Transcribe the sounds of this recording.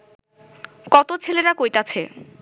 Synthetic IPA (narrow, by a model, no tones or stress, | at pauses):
kɔt̪ot͡ɕʰeleɾakojt̪at͡ɕʰe